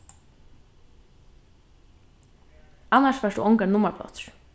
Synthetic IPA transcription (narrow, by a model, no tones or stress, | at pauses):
anaʃʋaʃd̪ṵʔɔŋkaɾnʊmablɔ̰t̪ɹ̥